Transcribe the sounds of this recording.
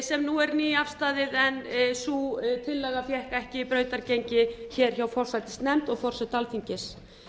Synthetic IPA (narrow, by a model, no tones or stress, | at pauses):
sɛmnuɛɾniːafst̪aːðɪðɛnsut̪ʰɪlːɛɣafjɛhkaɛhcɪipɾœːɥt̪aɾcejɲcɪçɛɾ̥çawfɔr̥sajt̪ɪ̥st̪nɛmt̪ɔɣfɔr̥sajt̪alθiɲcɪs